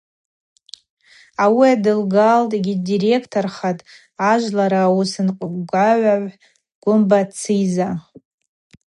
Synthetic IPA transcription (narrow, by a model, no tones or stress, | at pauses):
awiadɨlɡaltʼɡʲidiɾe̞kʰtʰorχatʼ | aʒʷlaɾaːwusɨnqʼʷɡʷaʕʷaʕʷ | ɡ̥ʷʊmbat͡sʰɨjza